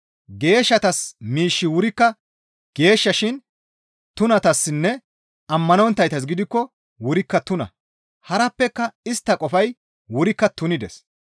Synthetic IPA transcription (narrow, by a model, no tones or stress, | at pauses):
ɡe̞ːʃːɐt̪ɐsmiːʃːɪwʊɾɪkːɐ | ɡ̥e̞ːʃːɐʃɪn | t̪ʊnɐt̪ɐsːɪnːɛ | ɐmːɐnɔnt̪ːɐjt̪ɐs̬ɡɪd̪ɪkːɔ | wʊɾɪkːɐt̪ʊnɐ̰ | hɐɾɐpːɛkːɐɪst̪ːɐkʼɔfɐj | wʊɾɪkːɐt̪ʊnɪd̪ɛs